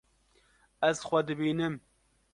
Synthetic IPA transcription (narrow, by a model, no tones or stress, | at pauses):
ɛzxʷɛd̪ɨbiːnɨm